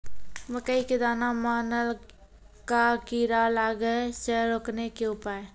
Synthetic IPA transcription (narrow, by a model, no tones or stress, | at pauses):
məkəiked̪aːnamaːnəl | kakiːɾalaːɡəsəɾoːknekeʊpaːe